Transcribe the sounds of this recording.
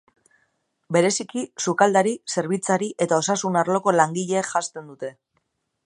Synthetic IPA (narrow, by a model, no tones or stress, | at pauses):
be̞ɾe̞sikisukald̪aɾise̞ɾβ̞it͡saɾiʔe̞t̪ao̞sasunaɾlo̞ko̞laŋɡiʎe̞ːʝast̪e̞nd̪ut̪e̞